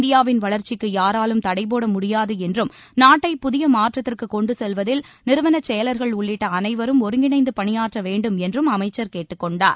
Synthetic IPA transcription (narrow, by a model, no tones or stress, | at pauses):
nd̪ɪjaːʋɪnʋɐɭɐɾt͡ʃɪkːɯjaːɾaːlɯmt̪ɐɽɐɪp̬oːɽɐmʊɽɪjaːðɯɛndrɯm | naːʈːɐɪpːʊðɪjɐmaːʈrɐt̪ːɪrkɯkːɔɳɖɯsɛlʋɐðɪl | nɪɾɯʋɐnɐt͡ʃɛjɐlɐɾɣɐɭʊɭːɪʈːɐɐnɐɪʋɐɾɯmɔɾɯŋɡɪɳɐɪnd̪ɯpɐɳɪjaːʈrɐʋeːɳɖɯmɛndrɯmɐmɐɪt͡ʃːɐɾkeːʈːɯkːɔɳɖaːɾ